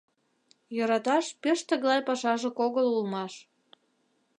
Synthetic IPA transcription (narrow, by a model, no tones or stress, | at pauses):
joɾɑt̪ɑʃpeʃt̪ə̆ɣlˠɑjpɑʃɑʒĕkoɣəlulmɑʃ